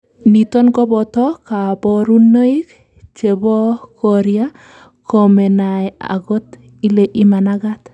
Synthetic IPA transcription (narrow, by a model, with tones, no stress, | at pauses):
ni˨tɔ˦nɡɔ˦bɔ˨tɔ˦ka˨bɔɾu˦nːo˦i˦k | t͡ʃe˨bɔ˦kɔ˨ɾia˦ | kɔ˨mɛ˨na˨ja̰˨ɡɔ˦t | i˦le˨ʔi˦ma˨na˦ɡa˦t̪